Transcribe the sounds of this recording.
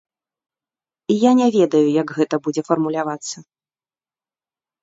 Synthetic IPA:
ijanʲɛvʲɛd̪ɐjujaɡɣɛt̪ɐbud͡zʲɛfɐrmulʲavat̪sːɐ

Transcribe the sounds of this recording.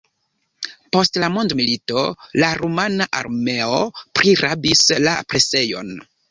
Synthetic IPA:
po̞stlamondmilito̞laɾumanaʔa̰ɾme̞opɾʔiɾabislapɾe̞se̞jo̞̰n

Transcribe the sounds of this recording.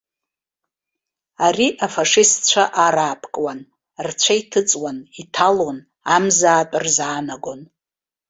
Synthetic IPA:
ariʔafaʂɪstt͡ɕʷʰaʔaɾaːpʰkʼwan | rt͡ɕʷʰaitʰɨt͡sʼwanitʰalon | amzaːtʼɨrzaːnaɡo̞n

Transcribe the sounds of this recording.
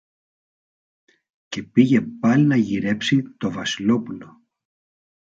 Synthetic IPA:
ce̞piʝe̞pɐlinɐʝiɾe̞psit̪o̞vɐsilo̞pulo̞

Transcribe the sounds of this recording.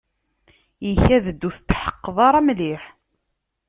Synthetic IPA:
jəçæðəd̪ːuθət͡s̪ːħə̥qːəðˤɑɾˤɑmliħ

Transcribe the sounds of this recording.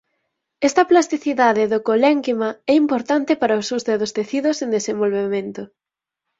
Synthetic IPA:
ɛst̪ɐplast̪iθiðaðeðokolɛŋkimaɛimpoɾt̪ant̪ɪpaɾaʊsuzðeðost̪eθiðʊsẽnd̪esẽmbolβemẽnt̪ʊ

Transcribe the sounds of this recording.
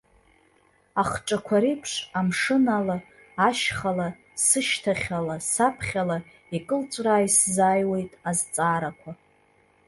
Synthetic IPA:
aχʈ͡ʂʼakʷʰaɾipʰʂamʂɨnalaː | ʃχala | sɨʃtʰaχʲalasapʰχʲala | ikʼɨlt͡ʃʷʼraːiszaːjwe̞jtʼazt͡sʼaːɾakʷʰa

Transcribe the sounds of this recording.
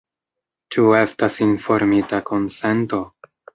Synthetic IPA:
t͡ʃue̞stasinfo̞ɾmitako̞nse̞nto̞

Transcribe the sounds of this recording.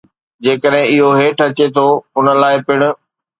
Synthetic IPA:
d͡ʑeːkəɗɦɪ̃ɪɦoɦeːʈʰɐt͡ɕet̪ʰoʊnəlaːɪpɪɽ̃ʊ̆

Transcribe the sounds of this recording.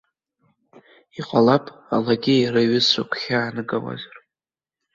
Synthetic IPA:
iqʷʼalapʼa̰laɡʲɪiɾɨɥɪsukʷʰχʲaːnɨɡʼawa̰zar

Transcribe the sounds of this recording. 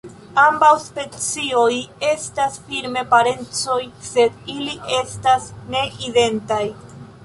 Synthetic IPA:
ambawspe̞t͡sio̞je̞stasfiɾme̞paɾe̞nt͡so̞jse̞diliʔe̞stasne̞ʔide̞ntaj

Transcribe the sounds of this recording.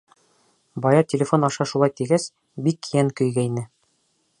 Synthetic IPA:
bɑjɑt̪ʲɪlʲɪfo̞nɑʃɑʃulˠɑjt̪iɡæs | bikːjæŋkɵ̆jɡæinɘ

